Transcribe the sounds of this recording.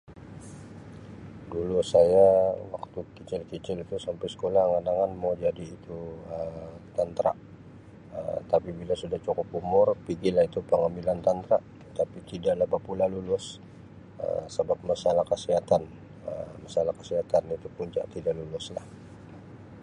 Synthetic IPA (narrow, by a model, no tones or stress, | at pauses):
lulʊsajawak̚t̪ukit͡ʃɪlkit͡ʃɪlit̪usampajsə̥kolahŋanaŋanmawd͡ʒadiːt̪uət̪ant̪ɾa̰ʔ | ə̰t̪apibilasudaht͡ʃokɔpumʊrpiɡilahit̪upəŋamilant̪ant̪ɾaʔ | t̪apit̪idaʔlahbapulalulʊs | ə̰səbap̚masalahkəsiɦat̪an | ə̰masalahkəsiɦat̪anit̪upuɲt͡ʃa̰ʔt̪idaʔlulʊslah